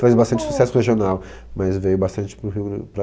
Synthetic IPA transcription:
fejzbast̪ɐ̃nt͡ʃɪ̥su̥sɛsʊheʒionaw | mɐzvejʊbast̪ɐ̃nt͡ʃɪ̥pɾʊɦiwpɾɐ

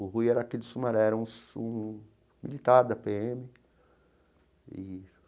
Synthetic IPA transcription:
ʊɦujɛɾɐakid̪ʊsumaɾɛɾɐũsũ | milit̪aɾd̪ɐpeẽmɪ | ɪ

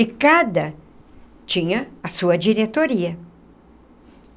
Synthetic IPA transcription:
ɪkad̪ɐ | t͡ʃĩɲɐːsuɐd͡ʒiɾet̪oɾiɐ

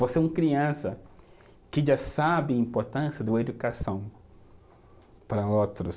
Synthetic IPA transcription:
voseũkɾiɐ̃sɐ | kɪʒasabɪɐĩmpoɾt̪ɐ̃sjɐd̪ʊed̪ukasɐ̃w̃ | pɾɐowt̪ɾʊs

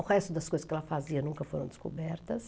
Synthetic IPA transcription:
ʊʁɛst̪ʊd̪ɐskojzɐskɛlɐfaziɐnũkɐfoɾɐ̃w̃d̪ɪsko̰bɛɾt̪ɐs

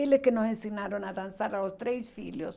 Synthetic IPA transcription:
eleskenosensinaɾonaðansaɾalost̪ɾesfiljos

